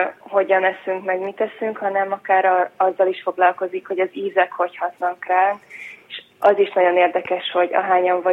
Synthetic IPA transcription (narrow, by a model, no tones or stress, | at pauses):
ho̞ɟɒnɛsyŋkmɛɡmit̪ɛsyŋkhɒnɛmɒkaːɾɒɒzːɒliʃfo̞ɡlɒlko̞zikho̞ɟɒziːzɛkho̞chɒt̪nɒkraːneʃ | ɒziʃnɒɟo̞neːrd̪ɛkɛʃho̞ɟɒ̰ɦaːɲɒɱvɒ